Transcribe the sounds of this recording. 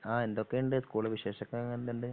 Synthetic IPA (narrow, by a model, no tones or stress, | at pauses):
aːe̞nd̪okːejuɳɖɨskuːɭɐʋiɕe̞ːɕɐkːɐɐŋːɐnd̪enɖɨ